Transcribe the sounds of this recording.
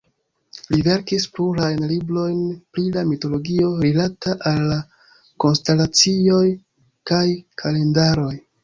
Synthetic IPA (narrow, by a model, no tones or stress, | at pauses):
live̞ɾkispluɾajnlibɾo̞jnpɾilamito̞lo̞ɡio̞ɾilataʔalːa | ko̞nstelat͡sio̞j | kajkʰale̞ndaɾo̞j